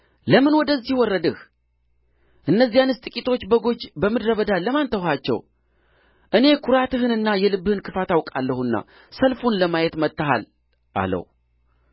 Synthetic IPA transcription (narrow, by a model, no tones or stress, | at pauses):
ləmɨnwɔd̪əzːihwɔrːəd̪ɨh | ʔɨnːəzːijanɨst̪ʼɨkʼit̪ʰo̞t͡ʃːbəɡo̞t͡ʃːbəmɨd̪ɾəβəd̪aləmant̪ʰəwhat͡ʃːɛ̰w | ʔɨne̞kʰuɾat̪ɨɦɨnɨnːajɛlɨbːɨhɨnkʰɨfat̪awkʼalːəhunːa̰ | səlfunləmajɛt̪mət̪ʼːəɦa̰l | ʔa̰lə̰hu